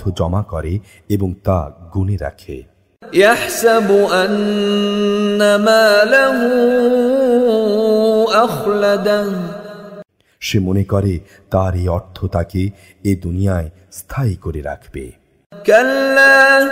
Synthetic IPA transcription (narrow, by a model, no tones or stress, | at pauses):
t̪ʰod͡ʑɔmakɔɾe | eboŋt̪aɡuneɾa̰kʰḛ | jaħsabʔan | amaːlaɦu | ʔaxlad̪a | ʃemonekɔɾe | t̪aɾeɔɾt̪ʰːot̪ake | ed̪unijae | st̪ʰajkoɾeɾa̰kʰb̥ḛ | kalːaː